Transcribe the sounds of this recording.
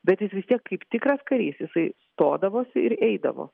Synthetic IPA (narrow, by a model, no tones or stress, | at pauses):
bʲɛt̪jɪsʋʲɪst̪ʲiɛkkɐɪpt̪ʲɪkɾɐskɐɾʲiːsjɪsɐɪst̪oːd̪ɐʋoːsʲɪɪɾɛɪd̪ɐ̰ʋo̰ː